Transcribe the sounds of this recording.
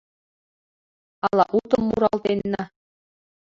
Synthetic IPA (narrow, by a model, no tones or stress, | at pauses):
ɑlˠɑʔut̪ɤmːuɾɑlˠd̪enːɑ